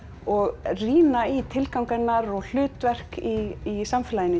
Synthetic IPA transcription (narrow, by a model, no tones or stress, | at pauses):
ɔɣriːnait̪ʰɪlkawŋkɛnːaɾɔɣl̥ʏːt̪vɛr̥kiːsamfɪlajɪn